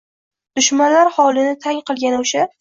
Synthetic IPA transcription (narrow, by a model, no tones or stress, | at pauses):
d̪̥ʊʃmanlaɾhɒlˠɪnɪt̪ʰaŋqʰɨlˠɡʲanʊʃa